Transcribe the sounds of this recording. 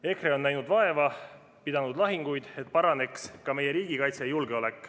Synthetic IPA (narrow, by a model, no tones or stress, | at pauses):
e̞kreo̞nːæjnud̪̥vɑe̞vɑ | pid̪ɑnud̪lɑɦiŋɡ̥ujd̪̥e̞t̪̚ːˑpɑɾɑne̞kskɑme̞je̞ɾiːɡ̥ikɑjt̪sejulɡ̥e̞o̞le̞kːˑ